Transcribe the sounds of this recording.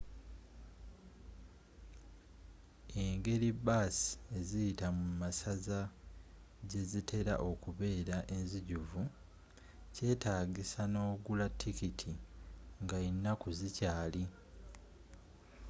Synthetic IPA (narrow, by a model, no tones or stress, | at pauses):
e̞ŋɡe̞libaːsi̥e̞zijitamumasaza | ɟe̞zitʰe̞ɾa̰ʔo̞kuβe̞ːɾaʔenziɟuvu | ce̞ːtaːɡisano̞ːɡulatʰːikitʰiŋɡainːakuzicaːli